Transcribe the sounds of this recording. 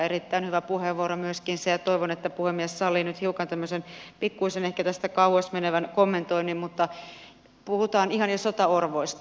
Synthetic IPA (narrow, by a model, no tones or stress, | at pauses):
erit̪ːæinhyʋæpuheʋʋuoɾomyøskinsejɑt̪oiʋonet̪ːæpuhemːiɛssɑlːinyt̪hiukɑnt̪æmːøsenpikːuisenehkæt̪æst̪ækɑuhosmeneʋænkomːent̪oinimmut̪ːɑ | puhut̪ɑːnihɑnjɑsot̪ɑorʋoist̪